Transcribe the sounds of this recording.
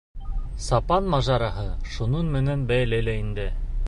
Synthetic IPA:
sɑpɑnmɑʒɑɾɑɦɤʃununmɘ̆nænbæjlælæind̪ɘ

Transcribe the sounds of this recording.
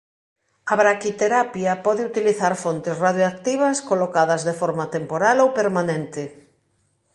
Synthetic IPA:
ɐβɾakit̪eɾapjɐpɔðɪut̪iliθaɾfont̪esraðjoak̚t̪iβ̞ɐskolokað̞ɐzðefɔɾmat̪empoɾalowpeɾmanẽnt̪ɪ

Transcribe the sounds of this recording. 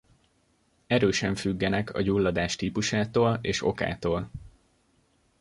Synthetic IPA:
ɛɾøːʃɛɱfyɡːɛnɛkʰɒ̰ɟulːɒd̪aːʃt̪iːpuʃaːt̪oːleːʃo̞̰ka̰ːt̪oːl

